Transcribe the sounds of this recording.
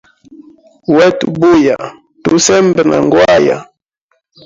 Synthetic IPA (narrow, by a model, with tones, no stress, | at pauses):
wɛ˦tu˨bu˦ja˨ | tu˦sɛ˦mbɛ˨nʔa̰˨ŋɡwa˦ja̰˨